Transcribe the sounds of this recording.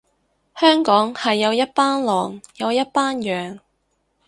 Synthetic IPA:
hœː˥ŋkɔː˨˥ŋhɐ˨jːɐ˨˧wjɐ˥t̚paː˥nlɔː˨ŋjɐ˨˧wjɐ˥t̚paː˥njœː˨˩ŋ

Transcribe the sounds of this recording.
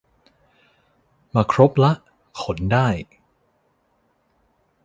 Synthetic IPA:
maː˧kʰɾo˦˥p̚la˦˥ʔ | kʰo˩˦ndaː˥˩j

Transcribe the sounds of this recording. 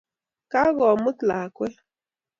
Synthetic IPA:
ka˦ɣɔ˨mɨ˦tla˨kwɛ˦

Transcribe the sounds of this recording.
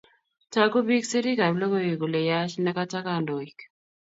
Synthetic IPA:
ta˦ko˦bi˦kse˦ɾi˦ka˨blo˦ko˦je˨ku˨le˨ja˦ʃna˦ka˦ta˦ka˨ndo˨i˨k

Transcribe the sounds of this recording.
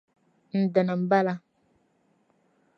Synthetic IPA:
n̩˨də˨nə˨m̩˨ba˦la˦

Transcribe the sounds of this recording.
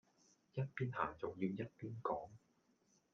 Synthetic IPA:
jɐ˥t̚piː˥nha̰ː˨˩ŋt͡sʊ˨˩wjiː˧wjɐ˥t̚piː˥nkɔː˨˥ŋ

